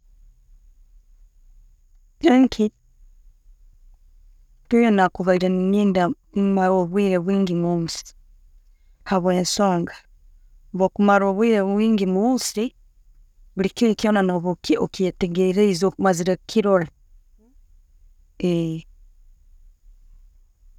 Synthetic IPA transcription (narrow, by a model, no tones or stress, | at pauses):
ɾaŋkʰi | tujonakuβaiɾenniːnda | mmaɾoβwiɾeβwiːŋɡimomusi̥ | haβweːnsoːŋɡḁ | βokumaɾoβwiɾeβwiːŋɡimusi | βulikiikionanoβokiokieteɡeiɾeizokumaziɾakʰiɾoɾa | e